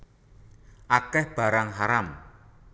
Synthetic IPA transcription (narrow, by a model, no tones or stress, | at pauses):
ʔakɛhb̥a̤ɾaŋɦaɾam